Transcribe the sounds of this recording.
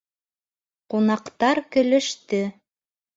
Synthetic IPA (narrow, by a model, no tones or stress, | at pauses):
qunɑqt̪ɑɾkɵ̆lɵ̆ʃt̪ɘ